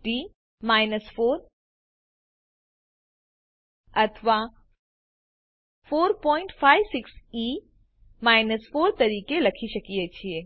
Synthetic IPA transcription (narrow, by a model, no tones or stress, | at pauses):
ʈi | maːɪnəsfoːɾ | ɐt̪ʰʋa | foːɾpɔ̃ːɪ̃ɳʈfʰaːjʋsɪksi | maːɪnəsfoːɾt̪ɐɾiːkelɐkʰiʃɐkijet͡ʃʰie